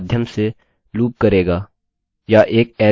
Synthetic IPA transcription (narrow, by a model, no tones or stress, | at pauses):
d̪ʱjəmse | luːp̚kɐɾeːɡaː | jaʔeːk̚ɛː